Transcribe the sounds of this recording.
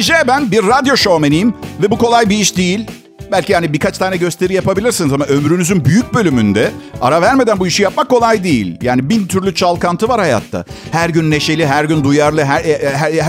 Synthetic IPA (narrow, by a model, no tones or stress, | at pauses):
d͡ʒɛbænbiɾːad̪jo̞ʃomenijimvɛbuko̞lˠajbiiʃd̪ejilʲ | bælʲcihanibikʰat͡ʃt̪ʰaːnɛɟø̞st̪ʰe̞ɾijapabilʲiɾsinizamaø̞mɾynyzynbyjyc̚bø̞lʲymynd̪ɛaɾavæɾme̞d̪ænbuiʃijap̚makʰːo̞lˠajd̪ejḭlʲjaːnibint̪ʰyɾlʲyt͡ʃʰalˠkant̪ʰɯvaɾhaja̰t̪ʰːa̰hæɾɟynːe̞ʃe̞lʲiɦæɾɟynd̪ujaɾlˠɯɦæɾɦæ